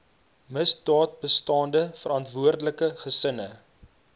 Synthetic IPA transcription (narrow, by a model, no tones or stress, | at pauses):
məsdɑːt̚bəstɑːndəfəɾɑntvuərdələkəχəsənə